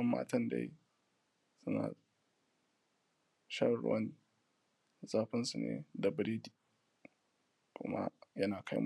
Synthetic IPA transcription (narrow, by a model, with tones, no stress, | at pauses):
ɐ˦mːa̰ː˦tɐ˦nda̰˦j | sʊ˦na̰ː˨ | ʃa˦˨ɾʊ̰˨wɐ˦n | zaː˦ɸɪ˦nsu˨nḛː˦da˨bɾiː˦di˨ | kʷʊ̰˦ma˦jɐ˦naː˨kʰa˦jm